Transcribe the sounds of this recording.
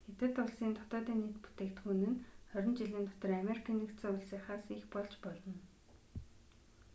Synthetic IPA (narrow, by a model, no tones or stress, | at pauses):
xet̪ɘ̆t̪ʊɮsiːnt̪ʰʊ̥t̪ɔːt̪iːnːiːt̪pu̥t̪eːkt̪xunɘ̆nχœɾʲɪ̆nt͡ɕiɮiːnt̪ʰʊ̥t̪ɞ̆rameɾikʰiːnikt̪t͡sɔːʊɮsiːχaːsixpɔɮt͡ɕpɔɮɞ̆n